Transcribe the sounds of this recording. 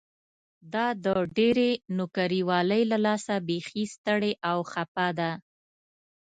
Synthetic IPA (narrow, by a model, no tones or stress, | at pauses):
d̪ɑd̪əɖeɾenʊkaɾiwɑləjlalɑsabexist̪əɽeʔawxapad̪a